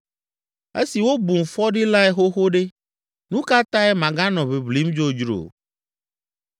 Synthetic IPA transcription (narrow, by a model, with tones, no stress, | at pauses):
ḛ˦si˨wo˦bu˨m˨fɔ˦ɖi˦la˦ɛ˦xo˦xo˦ɖe˦ | nũ˦ka˦t̪ã˦e˦mã˨ɡã˦nɔ̃˨βe˨bli˨˦md͡ʒo˦d͡ʒɾo̰˨